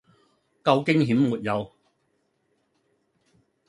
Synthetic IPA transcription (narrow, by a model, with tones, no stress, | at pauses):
kɐ˧wkɪ˥ŋɦi˨˥mmuː˨t̚jɐ˨˧w